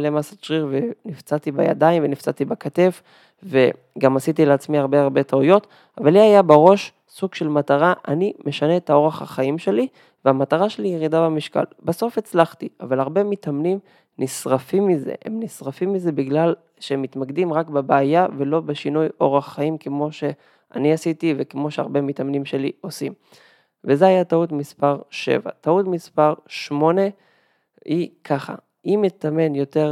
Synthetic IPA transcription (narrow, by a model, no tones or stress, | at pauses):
alemasat͡ʃʁiʁvenift͡sat̪ibaja̰d̪aiɱvenift͡sat̪ibakat̪e̞f | ve | ɡamasit̪ileat͡smiaʁbeaʁbe̞taujo̞t | avalːiajabeʁo̞ʃ | suɡʃe̞lmataʁaʔanimeʃaneːt̪ao̞ʁeχa̰χaimʃe̞li | veamataʁaʃe̞lijeʁid̪abamiʃka̰lbaso̞fe̞t͡slaχt̪ia̰valaʁbe̞mit̪amnim | nisʁafimːize̞̰hemnisʁafimːize̞biɡlal | ʃeemːit̪maɡd̪imʁakbebeajavelo̞beʃinujo̞ʁaχːaimkemo̞ʃe̞ | a̰niasitivekemo̞ʃeaʁbe̞mitamnimʃe̞lio̞sim | vezehajatautmispaʁʃḛva̰tautmispaʁʃmo̞ne̞ | ikʰaχa̰ | imjet̪ame̞njo̞te̞ʁ